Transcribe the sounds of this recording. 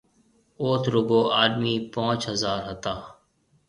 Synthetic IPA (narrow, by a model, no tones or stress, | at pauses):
oːt̪ʰɾʊɡoːʔaːd̪miːpãːt͡ʃɦəzaːɾɦət̪aː